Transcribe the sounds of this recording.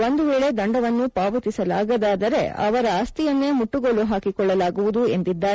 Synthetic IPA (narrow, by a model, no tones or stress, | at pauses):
o̞nd̪uʋeːɭe̞d̪ɐɳɖɐʋɐnːupaːʋɐt̪isɐla̰ːɡɐd̪aːd̪ɐɾe̞ɐ̰ʋɐɾɐaːst̪ijɐnːeːmuʈːuɡoluɦaːkikɔɭːɐlaːɡuʋud̪ue̞nd̪id̪ːaː